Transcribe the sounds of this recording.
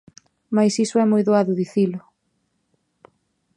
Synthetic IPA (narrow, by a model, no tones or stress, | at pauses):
majsisʊɛmojðoaðʊðiθilʊ